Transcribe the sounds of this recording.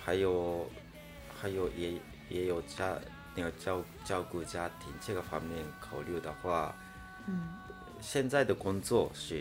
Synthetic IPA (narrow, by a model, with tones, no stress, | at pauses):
ha˧˥ɪjo˧˩ | ha˧˦ɪjo˨˧˩ | je˧˦jo˧˩t͡ɕa˧ | ni˧˩˨t͡ɕa˥˧ | t͡ɕa˥˧ʊkɯ˥˧t͡ɕa˥˧t̪ʰi˨˩nt͡ɕʰe˥˩ɡa˨˩ɸa˧˩m˧i˥˧˩ŋkʰa˨˩ʊljo˥˩d̪a˨˩xwa˥˧˥ | ɕjɛ˥˧nt͡sa˥˩ɪd̪ə˩ko˥˧ŋt͡swɔ˥˨ɕi˥˩